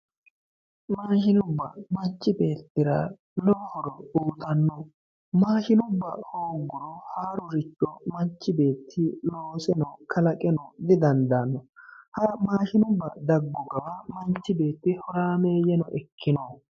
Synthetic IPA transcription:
maːʃɪnʊbːɐ̰mɐnt͡ʃːɪbe̞ːt̪ːɪɾɐ | lɔhɔɾɔuːt̪ɐnːɔ | maːʃɪnʊbːɐhoːɡːʊɾɔhaːɾʊɾɪt͡ʃʼːɔmɐnt͡ʃːɪbe̞ːt̪ʰːɪloːsɛnɔkʰɐlɐkʼɛnɔd̪ɪd̪ɐnd̪anːɔhɐmaːʃɪnʊbːɐd̪ɐɡːɔɡɐwɐmɐnt͡ʃːɪbe̞ːt̪ːɪhɔɾaːmeːjɛnɔʔɛkʰːɪnɔ

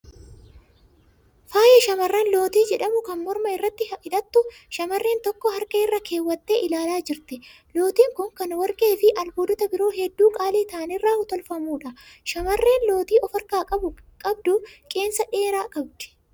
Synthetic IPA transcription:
faːjɛʃɐmɐrːɐnlo̞ːt̪iːd͡ʒɛᶑɐmʊkɐnmɔɾmɐɪrːɐt̪ːɪhɐʔɪᶑɐt̪ːʊʃɐmɐrːe̞ːnt̪ɔkːɔhɐɾkʼɐɪrːɐke̞ːwːɐt̪ːeːʔɪlaːlaːd͡ʒɪɾt̪ɛ | lo̞ːt̪iːŋkʊŋkɐnwɐɾkʼe̞ːfɪʔɐlboːd̪ʊt̪ɐbɪɾo̞ːɦɛd̪ːuːkʼaːliːt̪aːɐnɪrːaːhʊt̪ɔlfɐmuːᶑɐʃɐmɐrːe̞ːnlo̞ːt̪iːʔɔfɐɾkaːkʼɐbʊkʼɐbd̪ʊkʼe̞ːnsɐᶑe̞ːɾaːkʼɐb̚d̪ɛ̥

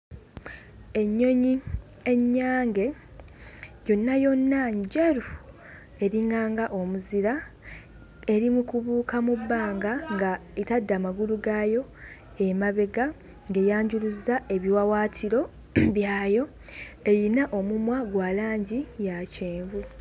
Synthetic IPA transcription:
e̞ɲːo̞ɲi | e̞ɲːaːŋɡe̞ | jo̞nːajo̞nːaɲɟeɾu | e̞ɾiŋɡaːŋɡaʔo̞muziɾa | e̞ɾimukuβuːkamubːaːŋɡaŋɡaitadːamaɡuluɡajo̞ | emaβe̞ɡa | ŋɡe̞jaːɲɟuluzaʔe̞βiwawaːtʰiɾo̞ | βjaːjo̞ | e̞jinaʔo̞mumwaɡwaːlaːɲɟijaceːɱvu

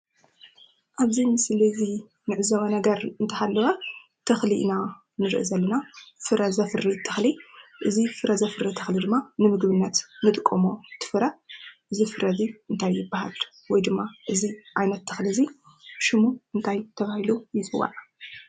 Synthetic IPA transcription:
ʔaβzimɨslizi | nɨʕɨzɐwanɐɡɐɾɨnt̪ʰɐhalːɐwa | t̪ʰɐxliʔna | nɨɾɨ̰ʔzɐlːɐnafɨɾɐzɐfɨɾit̪ʰːɐ̥xliʔɨzifɨɾʔɐzɐfɨɾɐt̪ʰɐxlid̪ɨmːanɨmɨɡbɨnːɐt̪mɨt̪ʼkʼːomot̪ʰɨ̥fɨɾɐʔɨzifɨɾɐziɨnt̪ʰajːɪbːaha̰l | wɔjd̪ɨmːaʔɨziʔajnɐt̪ʰːɐxlizi | ʃɨmuʔɨnt̪ʰajt̪ʰɐβahilujɪt͡sʼɨwa̰ʕa

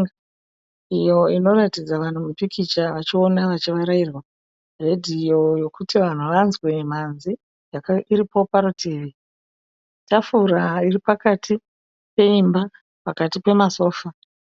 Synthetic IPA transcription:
ijo̞ino̞ɾatid͡zaʋan̤umupikʰit͡ʃaʋat͡ʃio̞naʋat͡ʃiʋaɾairwa | re̞dʱio̞jo̞kutiʋan̤uʋanzwe̞m̤anzi | jakaiɾipo̞paɾutʰiːʋi | tafuɾairipakatʰi | pe̞imba | pakatipe̞maso̞ːfa

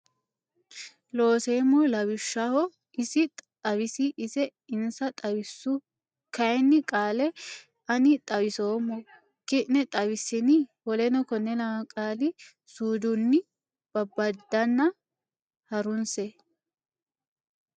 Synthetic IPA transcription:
lo̞ːseːmɔlɐwɪʃːɐhɔ | ɪsɪt̪ʼt̪ʼɐwɪsɪʔɪsɛɪnsɐt̪ʼɐwɪsːʊ | kɐjnːɪkʼaːlɛ | ɐnɪt̪ʼɐwɪsoːmːɔ | kɪʔnɛt̪ʼɐwɪsːɪnɪwɔlɛnɔkɔnːɛlɐmɐkʼaːlɪ | suːd̪ʊnːɪ | b̥ɐbːɐd̪ːɐnːɐ | hɐɾʊnsɛ

